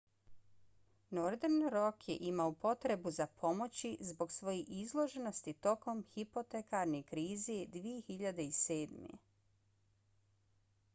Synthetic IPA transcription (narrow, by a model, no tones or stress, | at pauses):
noɾd̪eɾnɾo̞kjḛʔimaopo̞t̪ɾe̞buzapʰo̞mo̞t͡ɕizbo̞ɡsʋo̞jeʔizlˠo̞ʒeno̞st̪it̪o̞ko̞mxipo̞t̪ekaɾnekɾiːzed̪ʋije̞xiʎad̪e̞ise̞ːd̪mḛ